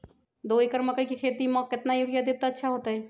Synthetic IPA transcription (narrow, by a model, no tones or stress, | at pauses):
d̪oːekəɾməkəikikʰeːt̪imɔ̃ːkɪt̪najuɾjad̪ɪb̚t̪aːtːʃʰaɦoːt̪aɦɛː